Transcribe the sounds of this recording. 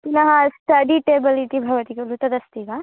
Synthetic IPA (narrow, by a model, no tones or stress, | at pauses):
t̪inɐɦɐsʈɐɖiʈeːbiliʈibʱɐʋɐt̪ikɐlut̪ɐd̪ɐst̪iɡa